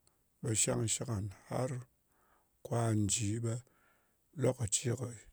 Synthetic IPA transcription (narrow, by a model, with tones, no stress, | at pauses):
ɓe˧ʃa˦ŋ˧ʃi˦ka˨nha̰˦ɾ | kʷa˦n˨d͡ʒi˨˦ɓe˧ | lo˦ka˨t͡ʃi˦ko˨